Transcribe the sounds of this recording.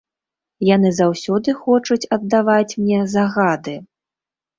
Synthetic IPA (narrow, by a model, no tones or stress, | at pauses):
jan̪ɨzawsʲɔd̪ɨxɔt͡ʂut͡sʲɐd̪ːavat͡sʲmnʲɛzaɣad̪ɨ